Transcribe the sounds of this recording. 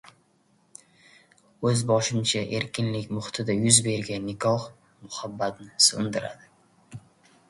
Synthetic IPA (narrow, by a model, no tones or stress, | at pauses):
ɵzbɒʃɪmt͡ʃʰaʔe̞ɾkʲɪnlɪkʲmʊχt̪ʰɪd̪ajʊzbe̞ɾɡʲanːɪkʰɒχ | mʊhabːat̪nɪsond̪ɪɾa̰d̪ɪ